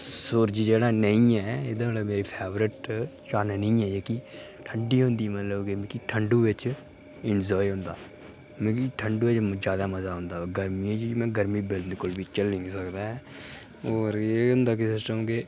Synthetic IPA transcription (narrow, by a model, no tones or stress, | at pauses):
sʊɾd͡ʒid͡ʒeːɽaːnəĩːɛːed̪aməmeːɾiːpʰɛːʋɾɪʈt͡ʃaːneːnəĩːɛːjeːkiʈʰəɳɖiːɦõːnd̪iːmət̪ləbkem̃ːkiʈʰəɳɖuːʋɪt͡ʃ | ɪnd͡ʒɔːjɦʊ̃ːnd̪a̰ː | mẽkiʈʰəɳɖuːʋɪt͡ʃd͡ʒjaːd̪aːməzaːɦʊ̃ːnd̪aːɡəɾmiɛd͡ʒmɛ̃ːɡəɾmiːbɪlkʊlbiːt͡ʃəlɪ̃ŋɡsəkd̪aːɛː | oːɾeːɦʊ̃nd̪aːk̬ɪsɪsʈəmke